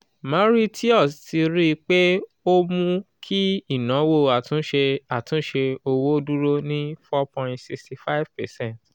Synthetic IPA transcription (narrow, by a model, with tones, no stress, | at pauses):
mã˦ɾi˦tʰi˦ɔ˦˨sti˧ɾi˦˧k͡pe˦ | o˦mũ˦kʰi˦i˦˨nã˨˦wo˦˨a˨tũ˦ʃe˧a˨tũ˦ʃe˧o˧wo˦du˦ɾo˦nĩ˦fɔ˦pɔ̃˧˨ĩntsi˧ksti˨fa˦ivpɛ˨sɛ̃˦˨nt